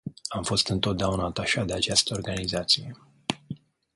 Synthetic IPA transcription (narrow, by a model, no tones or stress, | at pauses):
amfo̞st̪ɨnt̪o̞t̪d̪eaunaːt̪aʃad̪eat͡ʃast̪əorɡanizat̪sije